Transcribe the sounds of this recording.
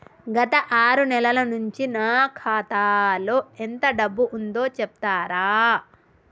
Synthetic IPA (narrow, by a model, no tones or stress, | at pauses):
ɡɐt̪ɐʔaːɾunɛlɐlɐnuɲt͡ʃinaːkʰaːt̪aːlo̞ːent̪ɐɖɐbːuʔund̪o̞ːt͡ʃɛp̚t̪aːɾaː